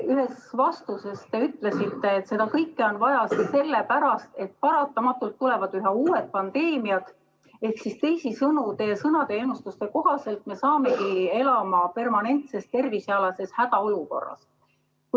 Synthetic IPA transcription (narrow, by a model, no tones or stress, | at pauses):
yɦe̞svɑst̪use̞st̪e̞yt̪ˑle̞sit̪ːe̞ːt̪se̞d̪ɑkɤjkːeo̞nvɑjɑsse̞lːepæɾɑst̪e̞t̪̚pɑɾɑt̪ːˑɑmɑt̪ːˑult̪ːule̞vɑd̪yɦeuːet̪̚pɑnd̪e̞ːmiɑt̪ | e̞hksist̪e̞jsisɤnut̪e̞sɤnɑt̪eeːnust̪ust̪e̞ko̞ɦɑse̞lt̪me̞sɑːme̞ɡie̞lɑmɑpe̞rmɑne̞nt̪se̞st̪ːe̞rvisɑlɑse̞shæd̪̥ɑo̞luko̞̰rːɑ̰s | k